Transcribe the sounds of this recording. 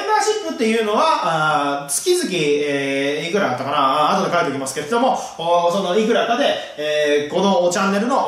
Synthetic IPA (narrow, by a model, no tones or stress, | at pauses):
maɕipːɯ̟t̪ːe̞jɯ̟ːno̞βaat͡sɨ̥kʲizɨk̬ʲieːkɯ̟ɾaɡat̪ːakanaːt̪od̪ekaet̪ekimasɨ̥ke̞ɾed̪o̞mo̞ | oso̞no̞ikɯ̟ɾakad̪e̞ | eːko̞no̞t͡ɕãnːe̞ɾɯ̟no̞